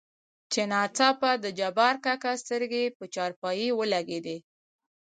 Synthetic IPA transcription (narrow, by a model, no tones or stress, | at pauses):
t͡ʃenɑt͡sɑpad̪əd͡ʒabɑɾkakast̪əɾɡepət͡ʃɑɾpɑjiwəlaɡed̪e